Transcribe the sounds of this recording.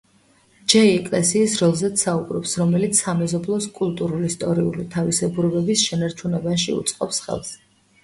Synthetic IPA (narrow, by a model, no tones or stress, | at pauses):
d͡ʒɛiɛkʼlɛsiːsɾɔlˠzɛt̪saubɾɔpsɾɔmɛlit̪sʰːamɛzɔblˠɔskʼulˠt̪ʼuɾulist̪ʼɔɾiṵlit̪ʰavisɛbuɾɛbɛbisʃɛnaɾt͡ʃʰunɛbaʃḭṵt̪sʼqʼɔpsχɛ̰lˠs